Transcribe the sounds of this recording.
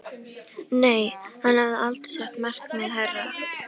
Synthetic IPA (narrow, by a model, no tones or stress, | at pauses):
neːjhanhavðɪalt̪sɛht̪mar̥kmɛðɦɛrːa